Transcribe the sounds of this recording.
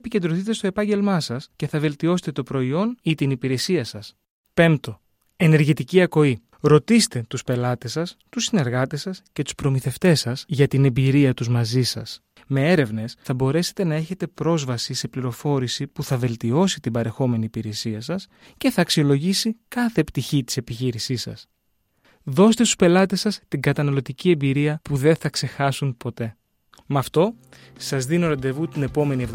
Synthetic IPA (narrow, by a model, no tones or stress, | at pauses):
pice̞nd̪ɾoθit̪e̞st̪o̞e̞pɐɲɟe̞lmɐsɐsce̞θɐve̞lt̪io̞set̪et̪o̞pɾo̞io̞nit̪inipiɾe̞siɐsɐs | pe̞mt̪o̞ | e̞ne̞ɾʝit̪iciɐko̞i | ɾo̞t̪ist̪e̞t̪uspe̞lɐt̪e̞sɐst̪usine̞ɾɣɐt̪e̞sɐsce̞t̪u̥spɾo̞miθe̞ft̪e̞sɐsʝɐt̪ine̞biɾiɐt̪uzmɐzisɐ̰s | me̞e̞ɾe̞vne̞sθɐbo̞ɾe̞se̥t̪e̞nɐe̞çe̞t̪e̞pɾo̞zvɐsise̞pliɾo̞fo̞ɾisipuθɐve̞lt̪io̞sit̪ibɐɾe̞xo̞me̞niːpiɾe̞siɐsɐs | ce̞θɐːksio̞lo̞ʝisikɐθe̞pt̪içit̪i̥se̞piçiɾisisɐ̰s | ðo̞st̪e̞st̪u̥spe̞lɐt̪e̞sɐst̪iŋɡɐt̪ɐnɐlo̞t̪icie̞mbiɾiɐpuðe̞nθɐkse̞xɐsunpo̞t̪e̞ | mɐft̪o̞ | sɐzðino̞ɾɐnd̪e̞vut̪ine̞po̞me̞niev